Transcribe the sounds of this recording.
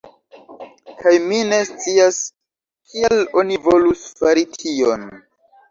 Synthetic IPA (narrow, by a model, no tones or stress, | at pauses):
kajmine̞st͡sias | kʰielo̞nivo̞lusfaɾitʰion